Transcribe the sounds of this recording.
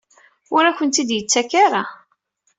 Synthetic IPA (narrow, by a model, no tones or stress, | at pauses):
ʊɾækənt̪id̪jət͡sːækaɾa